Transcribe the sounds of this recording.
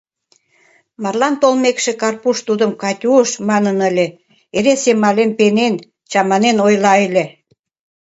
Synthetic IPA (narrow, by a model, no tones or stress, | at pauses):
mɑrlɑnt̪olmekʃĕkɑrpuʃt̪ud̪əmkɑt̪ʲuəʃmɑnənə̆lʲĕ | eɾesemɑlenpenen | t͡ɕɑmɑnenojlɑelʲĕ